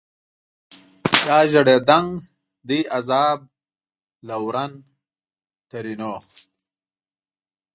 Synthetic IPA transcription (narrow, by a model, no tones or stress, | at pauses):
jaːʒɐɽed̪ɐŋ | d̪iʔɐzaːb̚ | lɐwɾɐn | t̪ɐɾinoː